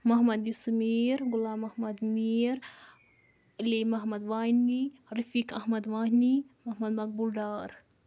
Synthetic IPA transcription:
mɐɦmɐd̪jusmeːɾɡulaːmɐhmɐd̪miːɾ | ilimɐɦmɐd̪ʋaːjnːiɾɐfikɐhmɐd̪ʋaːɦnimɐɦmɐd̪mɐk̚bulɖaːɾ

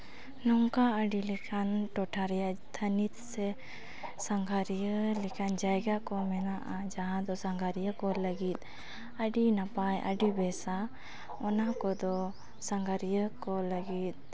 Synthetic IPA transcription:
nɔŋkaʔəɖilɛkʰanʈɔʈʰaɾɛjaʔt̪ʰənit̪sɛ | saŋɡʱaɾijəlɛkand͡ʒajɡakɔmɛnaʔad͡ʒaɦãd̪ɔsaŋɡʱaɾijəkɔləɡit̪̚ | əɖinapajʔə̰ɖibɛsa | ɔnakɔd̪ɔ | saŋɡʱaɾijəkɔləɡit̪̚

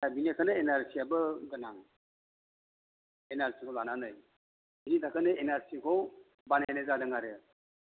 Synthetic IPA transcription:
sabiniakʰanɯenaɾsiabɯɡɯnaŋ | enaɾsikʰɔlananɯj | initʰakɯnɯenaɾsikʰɔw | bananɯzadɯŋaɾɯ

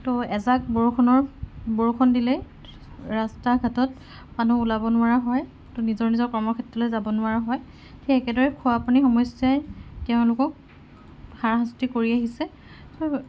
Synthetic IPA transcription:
tɔɛzak̚bɔɹkʰɔnɔɹbɔɹkʰɔndilɛ | ɹastaɡʱatɔt | manuːlabɔnʊaɹaɦɔj | tɔnizɔɹnizɔɹkɔɹmɔkʰɛtɹɔlojzabɔnʊaɹaɦɔj | tʰiɛkɛdɔɹɛkʰuapunixɔmɔjsjajtɛʊ̃lʊkɔk̚ | xaɹɦastikoɹiaɦisɛ | tɔ

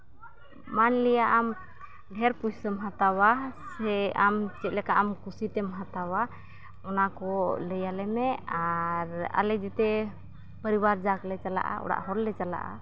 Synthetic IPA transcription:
manlɛjaʔam | ɖʱɛɾpujsəmɦat̪awasɛamt͡ʃɛt̪̚lɛkaʔamkusit̪ɛmɦat̪awa | ɔnakɔlɛjalɛmɛaɾa̰lɛd͡ʒɛt̪ɛ | pəɾibaɾd͡ʒaklɛt͡ʃala̰ʔa̰ɔ̰ɽa̰ʔhɔlːɛt͡ʃala̰ʔa̰

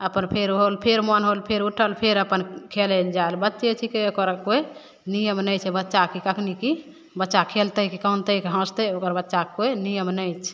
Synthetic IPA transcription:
əpənpʰeɾɦolpʰeɾmənɦolpʰeɾuʈʰəlpʰeɾəpənkʰeled͡ʒaelbətːʃet͡ʃʰikeokəɾkoe | nijəmnəjt͡ʃʰɛbətːʃakikəkʰniki | bətːʃakʰelt̪əikikəunt̪əikeɦə̃st̪əokəɾbətːʃakoenijəmnəjt͡ʃʰ

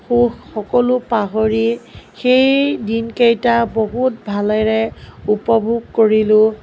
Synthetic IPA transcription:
xuxxɔkɔlʊpaɦoɹixejdinkejtaboɦut̚bʱalɛɹɛupɔbʱuɡ̚koɹilʊ

